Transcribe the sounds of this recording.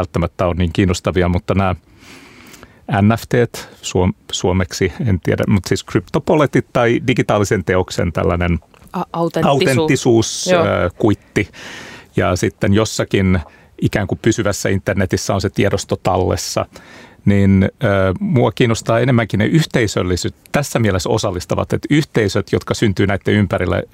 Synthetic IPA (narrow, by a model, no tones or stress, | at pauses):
ælt̪ːæmæt̪ːæonniːŋkiːnost̪ɑʋiɑmut̪ːɑnæː | ænːæft̪eːt̪suomsuomeksient̪iæ̰dæ̰mut̪siːskrypt̪opolet̪it̪t̪ɑidiɡit̪ɑːlisent̪eoksḛnt̪æ̰lːænen | ɑut̪enːisuːsø̰ːkuit̪ːijɑ̰sit̪ːenjosːɑkin | ikæːŋkupysyʋæsːæint̪ːernet̪isːæonset̪iedost̪ot̪ɑlːḛsːɑ̰ninəːmuɑkiːnːost̪ɑːenemːæŋkinḛʔyht̪eisø̰lːisyt̪t̪æsːæmiɛleso̰sɑlːist̪ɑʋɑ̰t̪ḛt̪yht̪eisøt̪jot̪kɑsynt̪yːnæit̪ːeympæɾilːḛ